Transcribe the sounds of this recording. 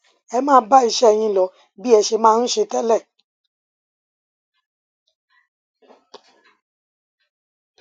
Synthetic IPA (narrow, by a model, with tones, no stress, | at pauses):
ɛ˧mãː˦˧˦ba˦i˧ʃɛ˦ɛ˨j̃ĩ˧lɔ˨˦ | bi˦ɛ˧ʃe˧mãː˦˧n̩˦ʃe˧tɛ˦lɛ˦˨